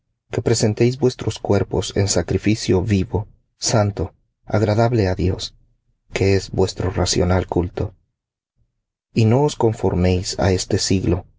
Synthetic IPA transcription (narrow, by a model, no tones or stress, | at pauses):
ke̞pɾe̞se̞nt̪ejz̬bwe̞st̪ɾo̞skwe̞ɾpo̞se̞̰nsakɾifisjo̞βiβo | sant̪o̞ | a̰ɣɾaðaβle̞aðjo̞̰s | kʰeezbwe̞st̪ɾo̞rasjo̞̰nalkult̪o̞ | ino̞osko̞ɱfo̞̰ɾme̞jsa̰e̞st̪e̞siɣlo̞